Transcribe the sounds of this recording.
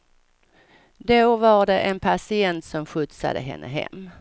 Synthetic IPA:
d̪ovaɖɛʔɛnpʰasɪɛnt̪sɔmɧɵt̪sa̰d̪ə̰ɦɛ̰nːʔəɦɛ̰mː

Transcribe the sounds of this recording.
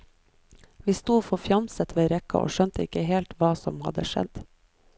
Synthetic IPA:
ʋiːst̪uːfɔfjɑmsət̪ʋeːɾɛkɑ̰ʔo̰ːʃœnt̪əɪkəheːlt̪ʋɑːsɔmhɑd̪əʃɛ̰d̪

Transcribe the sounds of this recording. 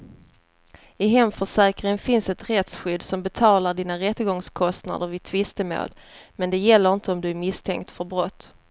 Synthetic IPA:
ɪɦɛmfœʂɛːkɾɪŋənfɪnsɛt̪ɾɛt̪sɧʏd̪ːsɔmbɛt̪ʰɑːlaɖiːnaɾɛt̪ːəɡɔŋskʰɔst̪na̰d̪əɾvɪt̪ʰvɪst̪əmo̰ːl | mɛnd̪ɛjɛlːəɾɪnt̪əɔmd̪ɵæɾmɪst̪ʰɛ̰ŋkt̪fœɾbɾɔt̪ː

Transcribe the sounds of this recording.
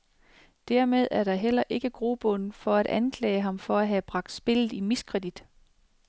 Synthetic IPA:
d̥æɐmeðˠæɐɾ̥ɑ̈ɦel̰ɐʔe̝ɡ̥əɡ̥ʁob̥ɔnfɒ̽æɾ̥ænkʰlɛ̰ːɪəɦɑ̈mfɒ̽æɦæb̥ʁɑ̈ɡ̥̚d̥sb̥e̝lð̩ˠimiskʰʁɛd̥id̥

